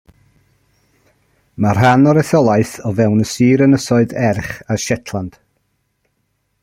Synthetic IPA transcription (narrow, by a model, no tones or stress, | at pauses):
mar̥ɦanɔɾɛθɔlˠaɨθɔvɛwnəsiːɾənəsɔɨðɛrχarʃɛtʰlˠand̥